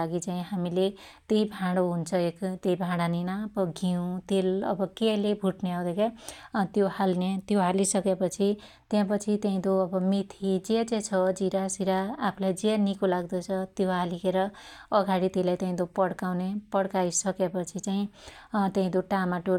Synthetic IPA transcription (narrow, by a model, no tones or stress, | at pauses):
aɡit͡saĩɦamile | t̪ejbʱãɽoɦunt͡sʰʌekt̪ejbʱãɽaninabʌɡʱiũt̪elʌ̰bʌkelebʱuʈneɦʌwd̪ʌket̪johalnet̪joɦalisʌkepʌt͡sʰi | t̪jãpʌt͡sʰit̪eĩd̪oʌbʌmit̪ʰid͡zed͡zet͡sʰʌd͡ziɾasiɾaːpʰlajd͡zenikolaɡd̪ʌt͡sʰʌt̪joɦalikeɾʌʌɡaɽit̪elajt̪ẽĩd̪opʌɽkawnepʌɽkajsʌkepʌt͡sʰit͡saĩt̪eɦĩd̪oʈamaʈo